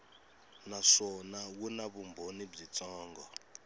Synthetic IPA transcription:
naʂɔnawunaβumbʱonib͡ʐit͡sʼɔːŋɡɔ

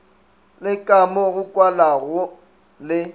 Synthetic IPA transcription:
lɪkʼamʊɣʊkʼwalaɣʊ | lɪ

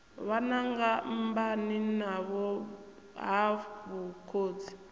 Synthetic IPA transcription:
βanaŋɡambaninaβɔ | ɦaβukʰoːd͡zi

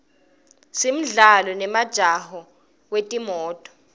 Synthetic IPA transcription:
sim̩ɮalɔnɛmad̥ʒ̥ʱahɔ | wetʼimɔːtʼɔ̥

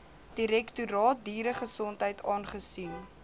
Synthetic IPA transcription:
d̥iɾɛktuɾɑːt̚diːɾəχəsɔntɦəjtʰɑːnχəsin

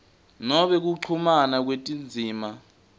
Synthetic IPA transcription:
nɔɓɛk̬uǃʰumanak̬wetʼind͡zʱiːma

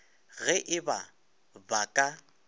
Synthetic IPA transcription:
ɣɛʔɪba | bakʼa

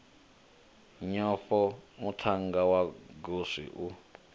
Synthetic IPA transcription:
ɲɔɸɔmutʰaŋɡawaɡoʂḭʔu

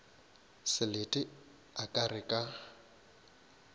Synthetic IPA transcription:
sɪlɪtʼɪ | akʼarɪkʼa

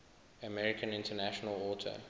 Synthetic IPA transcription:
əmɛɹɪkʰə̃nɪ̃ntənæʃɔnəlɔːtʰə̰

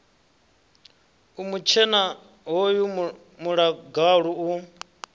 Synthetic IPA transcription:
umut͡ʃʰɛna | ɦoju | muɺaɡaɺuu

